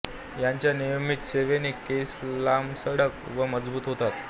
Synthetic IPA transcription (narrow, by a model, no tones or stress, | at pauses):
jaɲt͡ɕjanijəmiːt̪seʋeniːkːeslamsəɽəkʋəməd͡zbuːt̪ɦot̪at̪